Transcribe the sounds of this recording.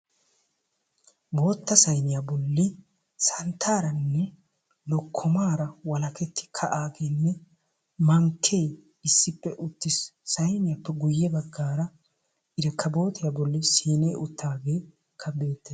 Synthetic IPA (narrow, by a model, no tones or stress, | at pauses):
bo̞ːt̪ːɐsɐjnɪjabɔlːɪ | sɐnt̪ʰaːɾɐnːɛ | lɔkʰːɔmaːɾɐwɐlɐkɛt̪ːɪ̥kʰɐʔaːɡeːnːɛ | mɐŋkʰːej | ɪsːɪpːɛʔʊt̪ːɪsːɐjnɪjapːɛɡʊjːɛbɐɡːaːɾɐ | ʔɪɾɛkʰːɐbo̞ːt̪ʰɪjabɔlːɪsiːneːʊt̪ʰːaːɡeː | kʰːɐbe̞ːt̪ːɛ